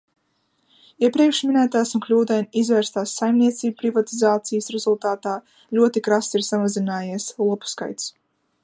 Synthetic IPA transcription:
iɛpɾiɛkʃminæːt̪aːsunklʲuːd̪ɛjnizvɛːɾst̪aːsːajmnʲiɛt̪siːbupɾivat̪izaːt̪sijsɾɛzulˠt̪aːt̪aː | lʲuɔt̪ikɾasiɾsamazinaːjiɛslˠupu̥ska̰jt̪s

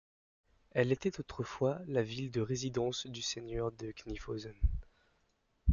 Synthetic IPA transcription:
ɛlet̪ɛt̪ot̪χəfwalavild̪əʁezid̪ɑ̃sd̪ysenjœʁd̪əknifozɔn

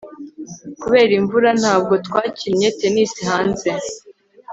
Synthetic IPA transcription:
kuβe̞ːɾiɱvuɾan̥haːb̚ɡo̞tkwaːcimɲe̞te̞nisihaːnze̞

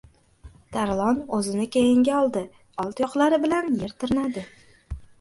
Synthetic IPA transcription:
d̪̥aɾlˠɒnɵzɪnɪkʲʰejɪŋɡʲaɒlˠd̪ɪ | ɒlˠt̪jɒqlˠaɾɪbɪlanjeɾt̪ʰɪɾɪnad̪ɪ

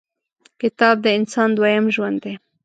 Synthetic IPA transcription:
kɪt̪ɑb̚d̪əɪnsɑnd̪wajamʒwand̪ːe

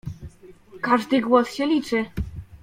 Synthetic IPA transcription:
kaʐd̪ɘɡwɔsɕɛlʲit͡ʂɘ

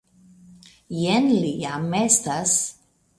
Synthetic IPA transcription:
jenlijamest̪as

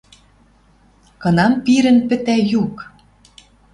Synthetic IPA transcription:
kɤ̆nɑmpiɾɘ̆npɘ̆t̪æjuk

